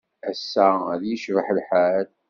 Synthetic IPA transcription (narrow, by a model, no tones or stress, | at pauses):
æsːæðjəʃvəħəlħal